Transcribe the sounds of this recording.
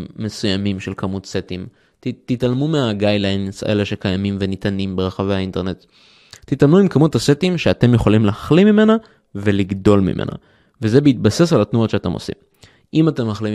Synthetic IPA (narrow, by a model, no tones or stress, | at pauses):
me̞sujamimʃelkʰamut̪set̪im | t̪italmumeaɡajlansa̰ʔeleʃe̞kajamimvenit̪animbeʁaχavejhainte̞ʁne̞t̪ | tːitalmuimkamuthasetimʃeate̞mjeχo̞limlaχlimime̞na | ve̞liɡdo̞lmḭmʔḛna̰ | vezebeit̪̚base̞salat̪nuotʃeate̞mo̰sḭm | ʔimate̞mlaχli